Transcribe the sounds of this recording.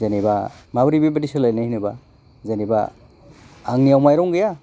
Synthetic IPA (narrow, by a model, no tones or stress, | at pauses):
zanibamabɾibibadisɯlajnahinɯba | zaniba̰ː | ŋnijawmajɾɔŋɡɯja